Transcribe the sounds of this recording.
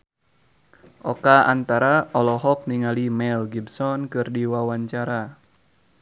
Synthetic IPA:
ʔɔkaa̰nt̪aɾaɔlɔɦɔk̚niŋalimɛlɡibsɔnkɨrdiwawaɲt͡ʃaɾa

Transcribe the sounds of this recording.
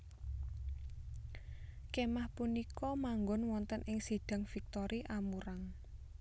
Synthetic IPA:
kemahpunikɔmaŋɡɔnwɔnt̪ənʔɪŋsiɖ̥ä̤ŋfik̚t̪ɔɾʔiʔamuɾaŋ

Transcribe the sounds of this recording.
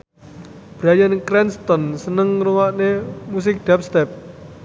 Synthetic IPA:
b̥ɾajənkɾɛnst̪ɔnsənəŋruwaʔnemus̬ɪk̚d̪̥ap̚st̪ɛp̚

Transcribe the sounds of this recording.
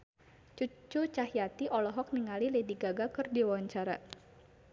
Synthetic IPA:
t͡ʃut͡ʃut͡ʃaɦjat̪iʔɔlɔɦɔk̚niŋalilediɡaɡakɨrdiwawaɲt͡ʃaɾa

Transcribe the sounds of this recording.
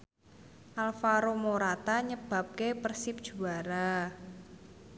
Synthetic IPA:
ʔalfaɾomoɾat̪aɲəb̥a̤p̚kepərsɪp̚d̥ʒ̥ṳaɾa

